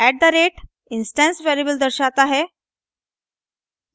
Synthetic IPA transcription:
æʈ̚d̪əɾeʈ | insʈɛ̃nsʋæɾibəld̪əɾɕat̪aɦe

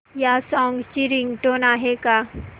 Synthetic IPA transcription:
jasɔ̃ːŋɡt͡ʃiɾĩŋɡʈonaːɦeka

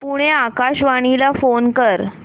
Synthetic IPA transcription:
puɽ̃eakaɕʋaɽ̃ilafonkəɾ

